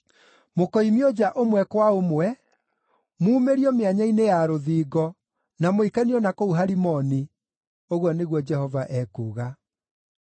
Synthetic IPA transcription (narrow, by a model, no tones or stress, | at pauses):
mokɔimiɔd͡ʒaʔomwɛkwaomwɛ | muːmeɾiɔmeaɲainejaɾoðiːɣɔ | namoikaniɔnakouɦaɾimɔni | oɣwɔneɣwɔd͡ʒɛhɔvaʔɛkuːɣa